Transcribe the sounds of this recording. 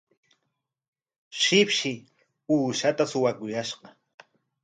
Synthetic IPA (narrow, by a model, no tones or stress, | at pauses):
ʃɪpʃɪ | uːʃat̪asʊwakʊjaʃqɑ